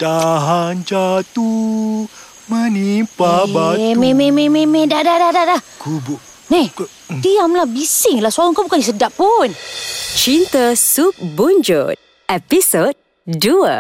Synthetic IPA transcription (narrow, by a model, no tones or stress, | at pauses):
t̪aɦand͡ʒat̪u | mənimpabammemememedadadadadakubu | ni | dijamlabisɪŋlasualaŋkabukanisədaʔpunt͡ʃint̪əsuk̚bund͡ʒo̰t̪̚ | ɛpisod̚ | duə̰